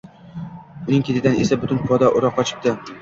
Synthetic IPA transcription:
ʊnɪŋkʲʰet̪ʰɪd̪anesabʊt̪ʊnpʰɒd̪aʔʊɾɒqːɒt͡ʃʰɪ̥p̚t̪ɪ

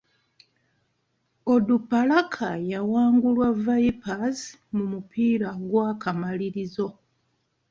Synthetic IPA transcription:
odupːalakʰajawaːŋɡulwavaipaz | mumupʰiːɾaɡwakamaliɾizo̞

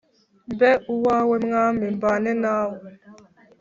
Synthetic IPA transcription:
mbɛuwawemŋamimbanɛnaw

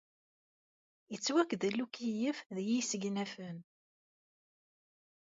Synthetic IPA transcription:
jət͡sːwækːðlːukijəfðjisəɡnæfən

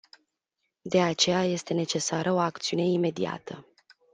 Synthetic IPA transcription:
d̪e̞at͡ʃe̞jaje̞st̪e̞ne̞t͡ʃe̞saɾʔəo̞akt̪siune̞ime̞d̪ia̰t̪ə

